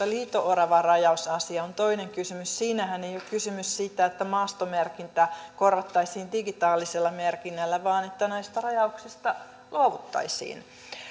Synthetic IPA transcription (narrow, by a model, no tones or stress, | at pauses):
ɑliːt̪oʔorɑʋɑrɑjɑusɑsiɑont̪oineŋkysymyssiːnæhænejokkysymyssiːt̪ːæet̪ːæmɑːst̪omerkint̪ækorʋɑt̪ːɑisiːndiɡit̪ɑːlːiselːɑmerkinːælːæʋɑːnet̪ːænæist̪ɑrɑjɑuksist̪ɑ | luɑʋut̪ːɑ̰isḭːn